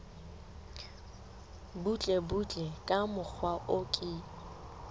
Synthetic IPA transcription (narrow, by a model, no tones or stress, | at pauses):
but͡ɬʼɛbut͡ɬʼɛkʼamʊk͡xʰwaʔʊkʼɪ